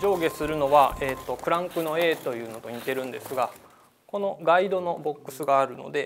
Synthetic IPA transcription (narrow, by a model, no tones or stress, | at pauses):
d͡ʑo̞ːɡe̞sɨɾɯ̟no̞βae̞ːt̪ːo̞kɯ̟ɾãŋkɯ̟no̞e̞ːt̪o̞jɯ̟ːno̞t̪o̞ɲ̟it̪e̞ɾɯ̟̃nd̪e̞sɨɡa | ko̞no̞ɡaid̪o̞no̞bo̞kːɯ̟sɨɡaːɾɯ̟no̞̰d̪e̞